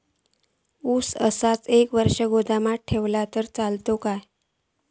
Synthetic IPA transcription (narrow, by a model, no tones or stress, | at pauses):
usə̰sat͡sekʋəɾʂəɡod̪amaʈʰeʋlat̪əɾt͡salt̪okaj